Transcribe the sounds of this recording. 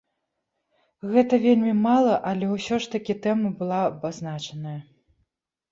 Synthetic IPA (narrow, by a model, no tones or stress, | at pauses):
ɣɛt̪ɐvʲelʲmʲimalˠɐʔɐlʲɛwsʲɔʂt̪ɐkʲit̪ɛmɐbɨlˠabaznat͡ʂɐnɐjɐ